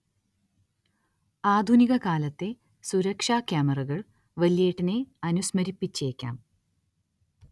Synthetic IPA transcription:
aːd̪ʱuniɣɐkaːlɐt̪ːe̞ | suɾɐkʂaːkjaːmɐrɐɣɐɭ | ʋɐlijeːʈːine̞ɐnusmɐɾipːit͡ɕːe̞ːkʲːa̰ːm

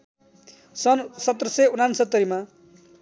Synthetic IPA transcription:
sʌnsʌt̪ːrʌseunansʌt̪ːʌɾima

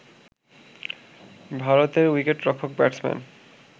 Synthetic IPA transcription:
bʱaɾot̪eɾwikeʈːɾɔkʰok̚bɛʈsmɛ̰n

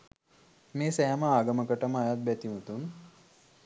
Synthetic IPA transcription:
meːsɛːməaːɡəməkəʈəməajat̪̚bæt̪imut̪un

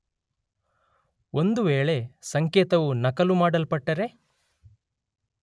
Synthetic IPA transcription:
o̞nd̪uʋeːɭe̞sɐŋkeːt̪ɐʋunɐkɐlumaːɽɐlpɐʈːɐɾe̞

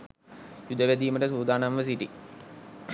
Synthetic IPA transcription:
jud̪əʋæd̪iːməʈəsuːd̪ʱaːnanʋəs̬iʈi

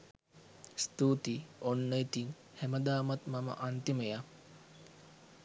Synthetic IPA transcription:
st̪uːt̪ionːəit̪iŋ | hæməd̪aːmat̪mamə̰ʔant̪iməja

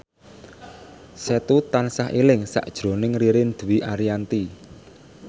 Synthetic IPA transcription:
sɛt̪ut̪ansaɦilɪŋsa̰ʔd̥ʒ̥ɾo̤nɪŋriɾɪnd̪̥uwiʔaɾiant̪i

